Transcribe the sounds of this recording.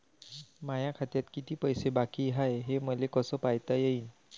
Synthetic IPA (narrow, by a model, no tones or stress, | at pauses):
majakʰat̪jat̪kit̪iːpəjsebakiːɦajɦeməlekəsəːpajt̪ajeiːn